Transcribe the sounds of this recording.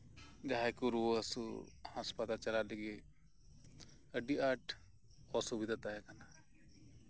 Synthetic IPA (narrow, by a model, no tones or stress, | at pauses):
d͡ʒaɦajkuɾuoəsṵhãspad̪at͡ʃɐlalɛɡe | əɖiaʈʰ | ɔsubid̪ʱat̪aɦɛkana